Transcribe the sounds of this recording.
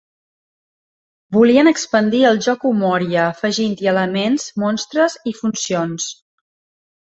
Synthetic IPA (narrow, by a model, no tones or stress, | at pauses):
buliənəkspənd̪iəlˠʒɔkumɔɾiəːfəʒint̪iələmenzmɔnst̪ɾəzifunsions